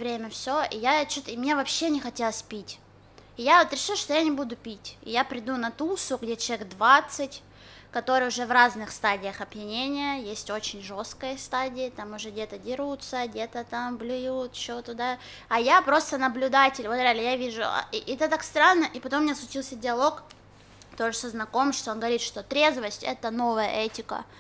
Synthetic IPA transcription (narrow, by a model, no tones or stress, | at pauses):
vɾʲemʲəfsʲoijat͡ɕot̪əɪmnʲevɐpɕːenʲɪxɐtʲelˠəsʲpʲitʲ | ɪjavot̪ɾʲɪʂɨlˠʂt̪o̞janʲɪbud̪ʊpʲitʲɪ̰japɾʲɪd̪unɐt̪usʊɡdʲet͡ɕʲeɡd̪vat̪sɨtʲ | kɐt̪o̞ɾɨjʊʐɛvraznɨxst̪adʲɪjəxɐbjɪnʲenʲɪjəjesʲtʲo̞t͡ɕɪnʲʐo̞st̪kəjəst̪adʲɪɪt̪amʊʐɛɡdʲet̪ədʲɪɾut̪səɡdʲe̞t̪ət̪amblʲʊjut̪t͡ɕːot̪ʊd̪a | ɐjapɾo̞st̪ənəblʲʊd̪atʲɪlʲvot̪ɾʲadlʲɪjavʲiʐʊ̰ʔɛt̪ət̪akst̪ɾanːəʔipɐt̪omːnɲʲaslˠʊt͡ɕilˠsʲədʲɪɐlˠo̞k | t̪oʐɨsəznɐko̞mʂt̪oonɡəvɐɾʲit̪ʂt̪o̞t̪ɾʲe̞zvəsʲtʲɛ̰t̪əno̞vəjə̰ʔɛtʲɪkə̰